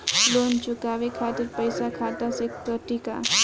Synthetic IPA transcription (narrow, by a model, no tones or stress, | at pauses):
loːnt͡ʃʊkaːʋekʰaːt̪ɪɾpəɪsakʰaːt̪asekəʈika̰